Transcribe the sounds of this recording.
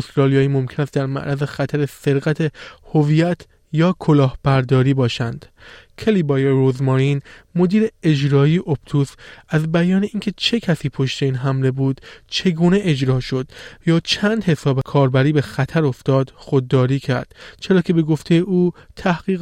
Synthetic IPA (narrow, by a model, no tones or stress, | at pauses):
ost̪ɾɒːlijɒːiːmo̞mcʰe̞næst̪d̪æɾmæ̰ʔɾʔæze̞xæt̪ʰæɾese̞ɾɣæt̪ʰehovijæt̪ʰ | jɒːkʰo̞lɒːhb̥æɾd̪ɒːɾiːbɒːʃænd̪̥cʰelibɒːjeɾozmoɾinmo̞d̪iːɾe̞ed͡ʒɾɒːieʔob̚t̪ʰuːsæzbæjɒːne̞iːncʰe̞t͡ʃʰe̞cʰæsiːpʰo̞ʃt̪e̞iːnɦæmle̞buːd̪̥t͡ʃʰe̞ɡuːne̞ʔed͡ʒɾɒːʃo̞d̪̥jɒːt͡ʃʰænd̪he̞sɒːbekʰɒːɾbæɾiːbe̞xæt̪ʰæɾo̞ft̪ɒːd̪̥xo̞d̪ːɒːɾiːcʰæɾd̪̥t͡ʃʰe̞ɾɒːcʰe̞be̞ɡo̞ft̪ʰe̞jeʔuːt̪ʰæhɡ̥iːɣ